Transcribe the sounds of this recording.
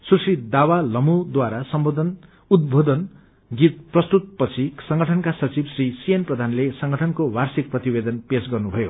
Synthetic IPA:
susid̪awalʌmud̪waɾasʌmbod̪ʱʌn | ud̪̚bʱod̪ʌn | ɡit̪̚prʌst̪ut̪̚pʌt͡sʰisʌŋɡʱʌʈʰʌnkasʌt͡sibsrisienprʌd̪ʱanlesʌŋɡʱʌʈʰʌnkowarsik̚prʌt̪ibed̪ʌnpesɡʌrnubʱʌjo

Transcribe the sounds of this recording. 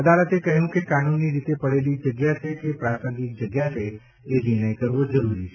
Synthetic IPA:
əd̪alət̪ekəɦjũkekanunːiɾit̪epəɽelid͡ʒəɡjat͡ʃʰekepɾasə̃ŋɡik̚d͡ʒəɡjat͡ʃʰeː | niɽ̃əjkəɾʋod͡ʒəɾuɾit͡ʃʰe̥

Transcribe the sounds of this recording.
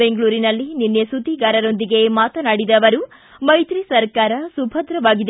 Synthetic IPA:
eŋɡɭuːɾinɐlːininːesut̪iɡaːɾɐɾo̞nd̪iɡe̞maːt̪ɐnaːɽid̪ɐʋɐɾu | mɐjt̪ɾisɐɾkaːɾɐsubʱɐd̪ɾɐʋaːɡid̪e

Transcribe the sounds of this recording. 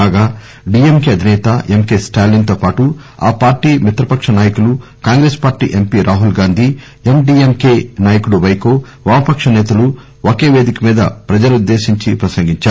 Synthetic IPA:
aːɡaː | ɖiːemkeːɐd̪ʱinɛːt̪ɐʔemkeːsʈaːlint̪oːpaːʈu | a̰ːpaːɾʈiːmit̪ɾɐpɐkʂɐnaːjɐkulukaːŋɡɾeːspaːɾʈḭːʔe̞mpiːɾʔaːɦulɡaːnd̪ʱiː | emɖiːemkeːnaːjɐkuɽuʋɐjkoː | ʋaːɐpɐkʂɐnɛːt̪ɐlu | oke̞ːʋe̞ːd̪ikɐmiːd̪ɐpɾɐd͡ʒɐlɐud̪ːe̞ːʃiɲt͡ʃipɾɐsɐŋɡiɲt͡ʃaː

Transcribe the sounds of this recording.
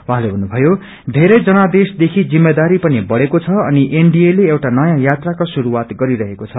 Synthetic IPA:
wuɦãlebʱʌnːubʱʌjo | d̪ʱeɾʌjd͡zʌnad̪esd̪ekʰid͡zimːed̪aɾipʌnibʌɽekot͡sʰʌʌniʔeɳɖieleewʈanʌjãjat̪rakosuɾuwat̪ɡʌɾiɾʌɦekot͡sʰʌ

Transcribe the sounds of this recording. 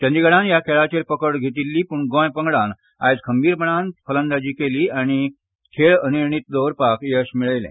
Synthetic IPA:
t͡ɕə̃nd̪iɡəɽãnjakʰeɭat͡ɕeɾpəkəɽɡʱet̪̬ilːiːpuɳɡɔ̃jpəŋɡɽan | a̰jd͡zkʰəmbiːɾpəɳanfʰələnd̪ad͡ʑiːkeliːañi | kʰeɭəniɾɳit̪̚d̪owɾpakjeɕmiɭəjlɛ̰̃

